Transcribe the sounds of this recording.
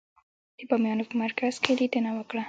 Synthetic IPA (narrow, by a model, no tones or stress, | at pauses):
d̪̥əbɑmjɑnopəmaɾkaz̥ked̪id̪ənawəkɽa